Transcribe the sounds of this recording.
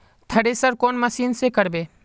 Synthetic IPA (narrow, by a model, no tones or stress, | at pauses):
t̪ʰəɽesəɾkoːnməsiːnsekəɾbeː